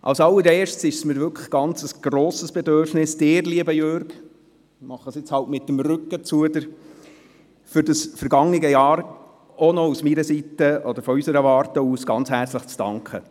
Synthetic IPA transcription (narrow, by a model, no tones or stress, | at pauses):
ʔɑ̰lsɑlːəɾeːʃtsɪʃsmɪɾʋʏkʰə̥ɡ̥ɑnt͡səsɡ̥ɾoːsəsb̥ɛd̪øɾfnɪsd̥ɪːɾliəbəjøɾɡ | mɑχːəsɪt͡shɑltmɪtːəmrʏkːət͡suəd̪əɾ | fʏɾdɑsfəɾɡ̥ɑŋnɪɡəjɑːɾ | ɔnɔusmiɾəsitəɔd̪əɾfɔysəɾəʋɑːrtəuːsɡ̥ɑnt͡shæɾt͡sləχt͡sd̥ɑ̰ŋkχə